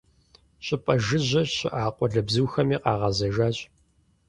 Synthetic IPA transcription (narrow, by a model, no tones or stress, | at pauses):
ɕʼɪpʼɐʒɨʑɐɕɪʔaːqʷʼɔɮɐbzɨwxɐmiːqɑːʁɐzɐʒaːɕʼ